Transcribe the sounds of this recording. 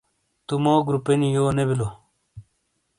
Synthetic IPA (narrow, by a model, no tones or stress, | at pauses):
t̪umoːɡɾupenijoːnebilo